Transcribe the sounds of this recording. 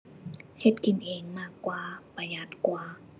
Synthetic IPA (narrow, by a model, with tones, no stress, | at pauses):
he˧t̪̚ki˨nʔeː˨ŋmaː˥˩kːwaː˧pa˧ja˧˦t̪̚kwaː˧˦